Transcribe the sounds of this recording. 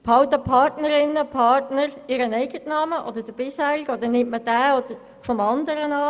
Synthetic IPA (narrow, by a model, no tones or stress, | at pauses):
pʰɑwt̪əpʰɑɾtnəɾɪnːəpʰɑɾtnəɾɪɾənɛɪɡətnɑːməʔɔd̪əɾd̥əb̥ɪshæːɾɪɡɔd̪ənɪmtmədæːod̥əɾ | fɔmɑndəɾənɑː